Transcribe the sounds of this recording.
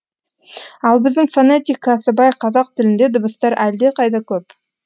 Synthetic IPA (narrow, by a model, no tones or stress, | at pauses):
ɑlˠbɪzd̪ɪŋfanet̪ʲijkʰːɑsəbɑjqʰɑzɑq̚t̪ʰɪlɪnd̪e̞d̪ʊbəst̪ɑɾʔæld̪e̞qʰɑjd̪ɑkʲʰɵp